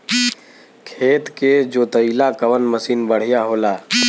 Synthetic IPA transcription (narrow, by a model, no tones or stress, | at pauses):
kʰeːt̪ked͡ʒoːt̪əilakəʋənməsiːnbəɽ̤ijaɦoːlaː